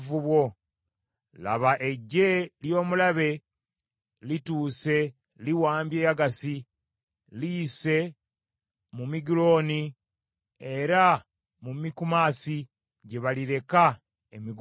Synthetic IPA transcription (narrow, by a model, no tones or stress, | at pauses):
vuβwo̞ | la̰βaʔe̞ɟːe̞ljo̞ːmulaβe̞ | lituːse̞ | liwaːmbje̞ːjaɡasi | lise̞ | mumiɡilo̞ni | e̞ɾa | mumikumaːsi | ɟe̞βaliɾe̞ka | emiɡ